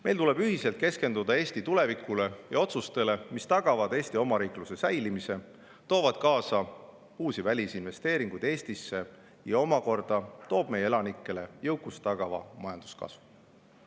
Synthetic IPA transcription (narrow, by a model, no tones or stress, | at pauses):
mʔe̞jlt̪ule̞b̥yɦiselt̪̚ke̞ske̞nd̪ud̪ɑe̞ːsʲt̪it̪ule̞vikule̞jɑo̞t̪sust̪e̞le̞mist̪ɑɡ̥ɑvɑd̪̥e̞ːst̪io̞mɑɾiːkluse̞sæjlimise̞ | t̪o̞ːvɑd̪̥kɑːsɑ | uːsivælʲisinve̞st̪e̞ːɾiŋɡ̥ujd̪e̞ːst̪isːe̞ | jɑo̞mɑko̞rd̪̥ɑt̪o̞ːb̥̚me̞jeelɑnikːˑe̞le̞jɤ̞wkːˑust̪ɑɡ̥ɑvɑ̰mɑjɑnd̪̥u̥skɑ̰svu̥